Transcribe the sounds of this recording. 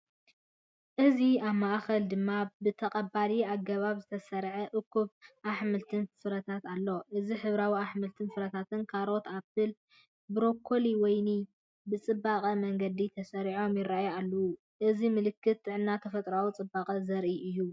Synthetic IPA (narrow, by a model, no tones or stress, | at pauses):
ʔɨziaβmaʔxɐld̪ɨmːabɨt̪ʰɐqʼɐbaliaɡɐβaβzɨt̪ʰɐsɐɾʕɐʔɨkʰːuβʔaħmɨlt̪ʰɨnsɨɾɐt̪ʰat̪alːo̞ʔɨziħɨβɾawiaħmɨlt̪ʰɨnsɨɾɐt̪ʰat̪ɨnkʰaɾo̞t̪abɨl | bɨɾo̞kʰːo̞liwɔjni | bɨt͡sʼɨbːakʼɐmɐŋɡɐd̪it̪ʰɐsɐɾiʕo̞mjɪɾaʔjalːɐwu | ʔɨzimɨlɨkːɨt̪̚ːɨʕɨnːat̪ʰɐfɐt̪ʼɾawut͡sʼɨbːaqʼɐzɐɾʔiʔɨjːu